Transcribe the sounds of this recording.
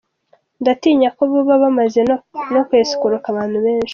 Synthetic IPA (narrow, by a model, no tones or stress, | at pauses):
ndatiːɲakoβoβaβamaze̞ono̞kweːsu̥kuɾukaβaːn̥huβeːnʃi̥